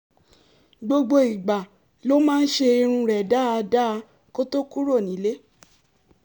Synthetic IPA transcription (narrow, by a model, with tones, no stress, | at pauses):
ɡ͡bo˧ɡ͡bo˧i˨ɡ͡ba˨ | lo˦mãː˦n̩˦ʃe˧i˧ɾ̃ũ˧ɾɛ˨da˦a˧da˦˧ | ko˦to˦ku˦ɾo˦˨nĩ˨˦le˦